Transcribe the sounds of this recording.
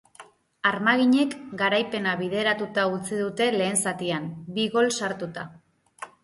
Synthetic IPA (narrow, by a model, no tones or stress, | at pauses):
aɾmaɣ̞iɲe̞kɡaɾajpe̞naβið̞e̞ɾat̪ut̪aut͡siðut̪e̞le̞ːnsat̪ianbiɣo̞lsaɾt̪ut̪a